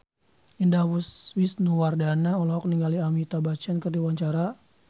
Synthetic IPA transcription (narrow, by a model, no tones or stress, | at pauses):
indawuswisnuwardanaɔlɔɦɔk̚niŋɡaliamit̪abat͡ʃankərdiwaɲt͡ʃaɾa